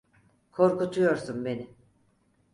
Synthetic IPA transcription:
kʰo̞ɾkut̪ʰujo̞ɾsunbe̞nɪ

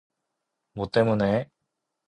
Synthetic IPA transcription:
mot̪emone

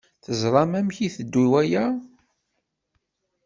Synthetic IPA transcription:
θəzˤɾˤɑmæmçiθəd̪ːiwæjæ

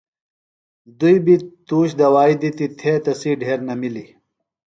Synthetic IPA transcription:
d̪ujbit̪uːɕd̪ɐwaːid̪it̪it̪ʰeːt̪ɐsiɖʱeːɾnɐmili

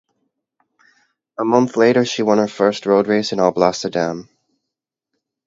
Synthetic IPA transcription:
əmʌ̃nθleɪɾə˞ʃiwʌ̃nə˞fɜ˞st̚ɹoʊd̚ɹeɪsɨ̃nɔlˠblæsə˞dæ̃m

